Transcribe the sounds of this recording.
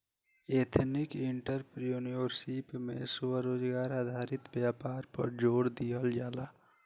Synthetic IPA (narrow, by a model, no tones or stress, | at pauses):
eːt̪ʰnɪkɪɳʈəɾpɾijoːniʋəɾsipmḛ̃sʊwəɾoːd͡ʒɡaːɾaːd̪ʱaːɾɪt̪bjaːpaːɾpə̰ɾd͡ʒoːɽd̪iəld͡ʒaːlaː